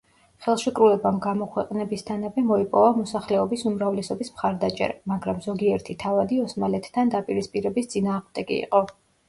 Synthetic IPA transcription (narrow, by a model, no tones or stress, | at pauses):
χɛlˠʃikʼɾulɛbamɡamɔkʰwɛqʼnɛbist̪ʰanavɛmɔipʼɔvamɔsaχlɛɔbisumɾavlɛsɔbismχaɾd̪at͡ʃʼɛ̰ɾamaɡɾamzɔɡiɛɾt̪ʰit̪ʰavad̪iɔsmalɛt̪ːʰand̪apʼiɾispʼiɾɛbist̪sʼinaːʁmd̪ɛkʼḭːqʼɔ